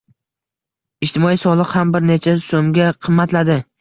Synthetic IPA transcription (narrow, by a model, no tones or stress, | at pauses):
ɪʃt̪ʰɪmɒisɒlˠɨqhambɪɾnet͡ʃʰasomɡʲaqʰɨmːat̪lad̪ɪ